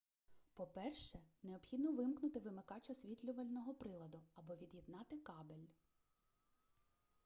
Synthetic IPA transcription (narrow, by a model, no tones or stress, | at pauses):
pɔpɛrʃɛneɔpxʲid̪nɔʋɪmknʊt̪ɪʋɪmekɑt͡ʃɔsʲʋʲit̪ʲlʲʊʋɐlʲnɔɦɔpɾɪlˠɐd̪ʊɐbɔʋʲid̪jid̪nɑt̪ɪkɑbelʲ